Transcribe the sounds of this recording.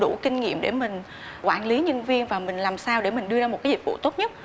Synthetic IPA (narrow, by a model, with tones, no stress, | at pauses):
ɗu˧˩kï˧ŋ̟ŋḭ˧˨əmɗe˧˩mï˨˩ŋ̟ | kwaː˧˩nli˨˦ɲə˧nvi˧ənvaː˨˩mï˨˩ŋ̟laː˨˩msaː˧wɗe˧˩mï˨˩ŋ̟ɗɨ˧əzaː˧o˨˩t̚kaː˨˦zi˨˩t̚vṵ˧˨t̪o˦˥t̚ɲə˦˥t̚